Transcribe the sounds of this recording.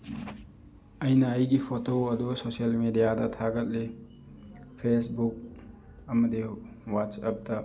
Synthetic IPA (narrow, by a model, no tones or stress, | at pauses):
əjnaːjɡipʰotoɐd̪usosəlmedijadɐt̪ʰaɡɐt̚le | pʰesbuk̚ | ɐmɐd̪i | watsɐp̚dɐ